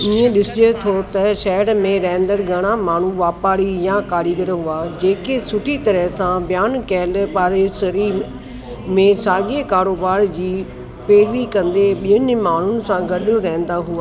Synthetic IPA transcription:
iẽɗɪsɪd͡ʑot̪ʰot̪ɐʃɛːɽmẽɾɛ̃ːnd̪əɾɡʱɐɽ̃amaːɳ̤uʋaːpaːɽijãkaːɽiɡəɾɦuaːd͡ʑeːkesʊʈʰit̪ɐɾəɦsãbjaːnkɛːlpaːɾesəɾi | mẽsaːɡekaːɾoːbaːɾd͡ʑiː | peːɽʋikɐ̃nd̪eɓijənɪmaːɳ̤ʊnɪ̆sãɡɐɗjõɾɛɦn̆d̪aɦuaː

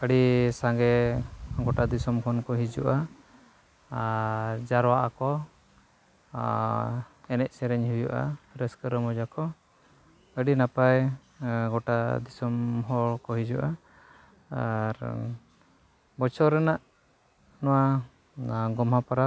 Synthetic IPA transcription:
əɽisaŋɡɛɡɔʈad̪isɔmkʰɔnkɔɦid͡ʒṵʔa | d͡ʒaɾwaʔakɔ | ɛnɛc̚sɛɾɛɲhujuʔa̰ɾɛskəɾəmɔd͡ʒakɔ | əɖinapaj | ɡɔʈad̪isɔmɦɔɭkɔɦid͡ʒuʔa | ɾ | bɔt͡ʃʰɔɾɛnaʔ | nɔwa | ɡɔmɦapaɾa

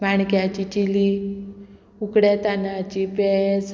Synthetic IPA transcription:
maɳkjat͡ɕit͡ɕili | ukɽet̪anat͡ɕipes

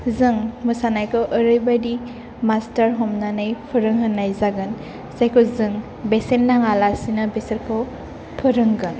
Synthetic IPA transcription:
zɯŋmɯsanajkʰɯwʔəɾɯjbadi | mastaɾɦɔmnanɯjpʰɯɾɯŋɦɯnːajzaɡɯn | sajkʰɯzɯŋ | besendaŋalasinabɛseɾkʰɯw | pʰɯɾɯŋɡɯn

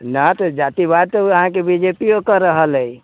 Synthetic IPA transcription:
nat̪ɔd͡ʒat̪ibad̪̚t̪ɔəɦãkebid͡ʒepiokəɾəɦələj

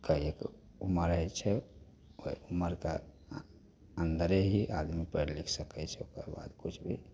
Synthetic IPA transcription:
kəek | uməɾɦɛt͡ʃʰɛ | oiuməɾke | ənd̪əɾeɦiʔad̪mipəɾlikʰsəkɛt͡ʃʰɛokəɾba̰d̪kut͡ʃʰbʱi

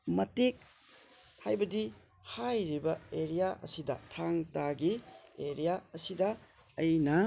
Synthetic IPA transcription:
mɐtik̚ | hajbɐdi | hajɾibɐeɾijaʔɐ̰sidɐ̰tʰaŋtaɡieɾijaɐsidɐː | jnɐ

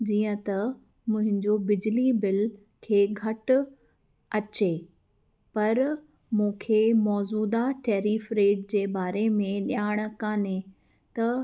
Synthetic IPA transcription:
d͡ʑiːə̃t̪ɐ | mʊ̃ɦɪ̃ɲd͡ʑobɪd͡ʑlibɪl | kʰeːɡʱɐʈʊ | ɐt͡ɕe | pɐɾ | mũːkʰeːmɔːzuːd̪aʈeːɾiːfɾeːɖ̚d͡ʑeːbaːɾemẽɗjaːɪɽ̃̆kaːne | t̪ɐ

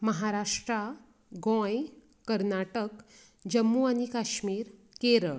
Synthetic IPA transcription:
məɦaɾaʂʈɾa | ɡɔ̃j | kəɾnaʈək | d͡ʑəmːuanikaɕmiːɾ | keɾəɭ

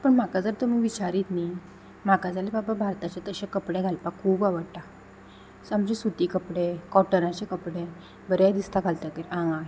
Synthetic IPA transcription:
pəɳm̤akad͡zəɾt̪um̤iʋit͡ɕaɾiːt̪ni | m̤akad͡zalebababʱaɾt̪at͡ɕet̪əɕakəpɽeɡʱalpakʰːuːbaʋəɽt̪a | samd͡ʑesut̪iːkəpɽekɔʈəɾãt͡ɕekəpɽe | bəɾad̪ist̪aɡʱalt̪ak̪eɾãŋɡaɦ

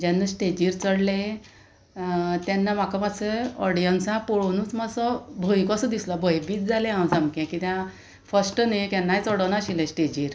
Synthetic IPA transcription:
d͡ʑanːasʈed͡ʑiːɾt͡səɽlẽ | t̪janːamakəmaseɔɽijənsãpɔɽonuːt͡smasɔbʱojkɔsɔd̪islɔbʱəjbiːt͡sd͡zalẽãwd͡zamkɛ̃kit̪ã | fəsʈnakanːajt͡sɔɽɔnaɕilẽsʈed͡ʑiːɾ

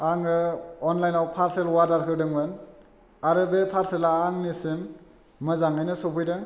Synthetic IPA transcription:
aŋɯɔnlajnawpʰaɾselwaɾdaɾkʰɯɾdɯŋbɯn | aɾɯbepʰaɾselaaŋnisɯn | mɯzaŋɯjnɯsobʰɯjdɯŋ

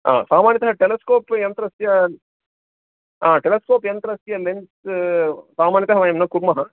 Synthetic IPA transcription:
a̰ːsaːmaːnjit̪ɐɦɐʈeleskoːpjɐnt̪ɾɐsjɐ | aːʈeleskoːpjɐnt̪ɾɐsjɐlens | saːmaːnjɐt̪ɐɦɐʋaːjɐmnɐkuɾmɐɦɐ

